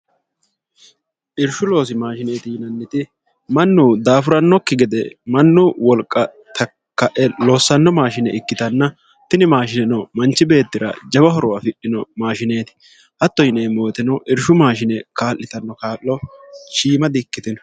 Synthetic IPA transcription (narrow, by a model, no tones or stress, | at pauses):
ʔɪɾʃʊlo̞ːs̬ɪmaːʃɪne̞ːt̪ɪjɪnɐnːɪt̪ɪ | mɐnːuːd̪aːfʊɾɐnːɔkːɪɡɪd̪ɛmɐnːʊwɔlkʼːɐ | t̪ʰɐ | kːɐʔɛloːsːɐnːɔmaːʃɪnɛɪkːɪt̪ɐnːɐ | t̪ɪnɪmaːʃɪnɛnɔmɐnt͡ʃːɪbe̞ːt̪ːɪɾɐ̰d͡ʒɐbɐɦɔɾɔwafɪɗɪnɔmaːʃɪneːt̪ɪ̥ | ʔɐt̪ːɔjɪneːmo̞ːt̪ɪnɔʔɪɾʃʊmaːʃɪnɛkaːlːɪt̪ɐnːɔkaːlːɔʃiːmɐd̪ɪkːɪt̪ɪnɔ̥